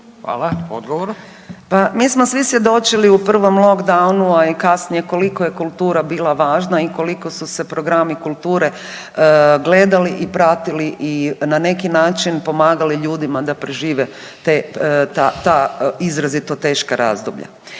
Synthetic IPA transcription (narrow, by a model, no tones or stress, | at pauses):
xa̰ːlaod̪ɡoʋoɾ | pamiːsmosʋisʋje̞d̪o̞t͡ʃiliupr̩ʋo̞mlˠo̞ɡd̪awnuaikasnije̞ko̞likoje̞kulˠt̪uːɾabiːlˠaʋaːʒnaiko̞liko̞suse̞pɾo̞ɡɾamikulˠt̪uːɾe̞ | ɡle̞ːd̪aliʔipɾat̪iliʔinane̞kinaːt͡ʃinpo̞maːɡaliʎuːd̪imad̪apɾeʒiːʋe | t̪et̪at̪aizɾazit̪ot̪e̞ːʃkaɾa̰ːzd̪obʎa̰